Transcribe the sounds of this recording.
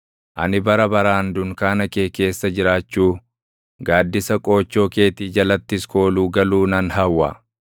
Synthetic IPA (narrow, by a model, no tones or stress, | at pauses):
ʔɐ̰nɪbɐɾɐbɐɾaːnd̪ʊŋkaːnɐkeːke̞ːsːɐd͡ʒɪɾaːt͡ʃːuː | ɡaːd̪ːɪsɐkʼo̞ːt͡ʃːo̞ːke̞ːt̪iːd͡ʒɐlɐt̪ːɪsko̞ːluːɡɐluːnɐnɦɐwːɐ̰